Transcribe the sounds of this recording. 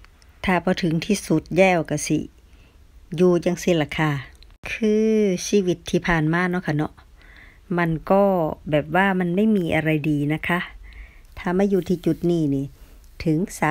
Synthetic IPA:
t̪ʰaː˧˩bɔː˧˦t̪ʰɯ˨˦ŋt̪ʰiː˧su˧˦t̪̚jɛː˧˥˨wka˧˩sḭ˧˦ | juː˧jaː˧˩ŋsi˧˩la˧˩kʰaː˧˩kʰɯː˧siː˧˥˨wi˧t̪ʰːiː˧˩pʰaː˨˩nmaː˧˥˨nɔ˧˦kʰa˧˩nɔ˧˦ʔ | ma˧˥˨nkɔː˧˥˩bɛː˨˩p̚waː˧˨ma˧˥˨nma˧˥˨jmiː˧ʔa˧ɾa˧jdiː˨na˧˥kʰa˧ | t̪ʰaː˧˩ma˧˥˨njuː˧t̪ʰiː˧˨t͡ɕu˧˦t̪̚niː˧˩niː˧˨ | t̪ʰɯ˨˦ŋsaː˨˧˦

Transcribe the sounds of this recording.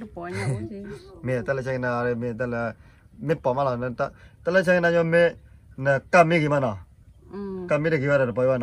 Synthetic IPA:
me˨ta˦lə˧˨t͡ʃʰa˧˦ŋ˧˨na˧˨ɾe˧me˨ta˦lə˨ | mi˦t̚pɔ˨ma˦la˨n˧ta˦ta˦lə˦t͡ʃʰa˦ŋ˦na˧ɲɔ˦me˦nə˨ka˦mi˦ɡi˨ma˦˨na˨ | ka˧mi˦ɾə˨ɡi˨˦wa˦ɾa˨ɾə˨p̬ɔ˨i˦wa˦na˨

